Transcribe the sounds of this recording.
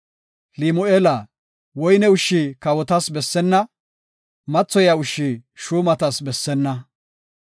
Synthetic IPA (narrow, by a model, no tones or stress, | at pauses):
limʊelɐ | wɔjnɛʊʃːikɐwɔt̪ɐsbɛsːɛnːɐ | mɐt͡sːɔjɐʊʃːiʃuːmɐt̪ɐsbɛsːɛnːɐ